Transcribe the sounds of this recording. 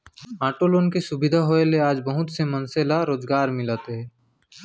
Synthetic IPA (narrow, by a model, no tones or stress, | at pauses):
aːʈoːloːnkesʊbɪd̪ʱaɦoeleaːd͡ʒbɐɦʊt̪semɐnselaɾoːd͡ʒɡaːɾmɪlat̪eɦɛː